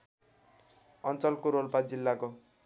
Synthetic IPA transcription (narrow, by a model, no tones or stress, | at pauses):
ʌnt͡sʌlkoɾolpad͡zilːako